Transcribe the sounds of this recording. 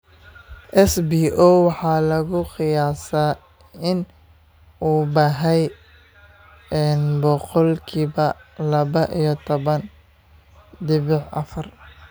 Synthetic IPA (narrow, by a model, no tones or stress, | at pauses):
ʔɛsbiːʔɔwɑħɑːlɐɣʊqɪjaːsaː | ɪn | uːbɑːɦɛj | ɛnbɔqɔlkʰiːbɐlɐβɐʔijɔt̪ʰɔβɐn | d̪ɪβɪħɐ̰fɐr